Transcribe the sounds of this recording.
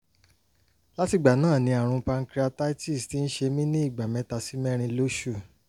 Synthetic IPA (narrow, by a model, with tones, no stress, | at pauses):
la˦ti˧˨ɡ͡ba˨nãː˦˨nĩ˧a˨ɾ̃ũ˧pa˧ŋ̩˧kɾa˧ta˦i˦ti˦˨sti˦n̩˦ʃe˧mĩ˦nĩ˦i˦˨ɡ͡ba˨mɛ̃˧˦ta˧si˦mɛ˦ɾ̃ĩ˧lo˦ʃu˦˨